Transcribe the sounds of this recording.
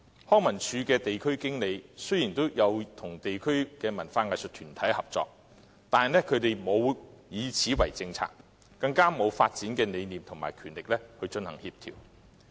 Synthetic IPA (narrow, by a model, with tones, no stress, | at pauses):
hɔː˥ŋmɐ˨˩nt͡ʃʰyː˨˧kɛː˧t̪e˨jkʰɵ˥ɥkɪ˥ŋle˨˧jsɵ˥ɥjiː˨˩nt̪o˥wjɐ˨˧wt̪ʰʊ˨˩ŋt̪e˨jkʰɵ˥ɥkɛː˧mɐ˨˩nfaː˧ŋaː˨jsɵ˨t̚t̪ʰyː˨˩nt̪ʰɐ˨˥jhɐ˨p̚t͡sɔ̰ː˧k̚ | t̪aː˨n˨nɛ˥kʰɵ˨˧ɥt̪e˨jmo˨˧wjiː˨˧t͡sʰiː˨˥wɐ˨˩jt͡sɪ˧ŋt͡sʰa̰ː˧k̚ː | ɐ˧ŋkaː˥mo˨˧wfa̰ː˧t̚t͡siː˨˥nkɛː˧ne˨˧jniː˨mt̪ʰʊ˨˩ŋma̰ː˨˩jkʰyː˨˩nlɪ˨k̚lɛ˥hɵ˧t͡ʃɵ˧nhɐ˨˩ŋhiː˧p̚t̪ʰḭː˨˩w